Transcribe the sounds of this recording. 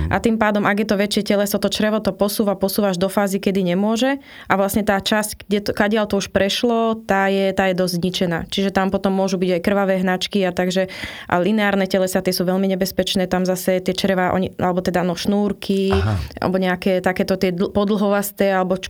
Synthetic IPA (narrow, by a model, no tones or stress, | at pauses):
ʔa̰t̪impaːd̪ɔmʔaɡjɛt̪ɔʋɛt͡ʃɪɛcɛlɛsɔt̪ɔt͡ʃɾɛʋɔt̪ɔpɔsuːʋapɔsuːʋaʒd̪ɔfaːzikɛd̪iɲɛmʊɔʒɛ | ʔaʋlasɲɛt̪aːt͡ʃascɡɟɛt̪kaɟɪalt̪ɔuʃpɾɛʃlɔt̪aːjɛt̪aːjɛd̪ɔzzɲit͡ʃɛna̰ːt͡ʃiʒɛt̪ampɔt̪ɔmːʊɔʒubiɟajkr̩ʋaʋɛːɦnat͡ʃkiat̪aɡʒɛʔa̰linɛaːɾnɛcɛlɛsat̪ɪɛsuːʋɛʎmiɲɛbɛspɛt͡ʃnɛːt̪amzasɛt̪ɪɛt͡ʃɾɛʋaʔɔ̰ɲiʔa̰lɛbɔt̪ɛd̪anɔʃnuːɾkʰiʔa̰lɛbɔɲɛakɛːt̪akɛːt̪ɔt̪ɪɛd̪pɔd̪l̩ɦɔʋast̪ɛːalɛbɔt͡ʃ